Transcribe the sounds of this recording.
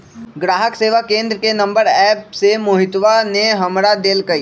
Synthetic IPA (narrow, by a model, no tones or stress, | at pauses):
ɡɾaːɦəkseːʋakẽːnd̪ɾəkenɐ̃mbəɾɛːpsemʊɦɪt̪ʋaneɦɐmɾad̪eːlkɐiː